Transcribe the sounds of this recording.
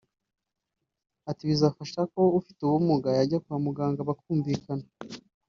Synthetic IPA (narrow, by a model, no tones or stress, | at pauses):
atiβizafaʃako̞ufituβumuɡajaɟakuamuɡaːŋɡaβakuːɱviːkana